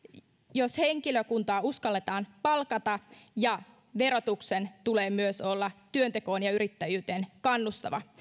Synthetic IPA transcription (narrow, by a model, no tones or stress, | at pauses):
joshe̞ŋkiløkunt̪ɑːuskɑlːet̪ɑːnpɑlkɑt̪ɑjɑ | ʋe̞ɾo̞t̪uksent̪ule̞ːmyøso̞lːɑt̪yønt̪eko̞ːnjɑyɾit̪ːæjyːt̪eːnkɑnːust̪ɑ̰ʋɑ̰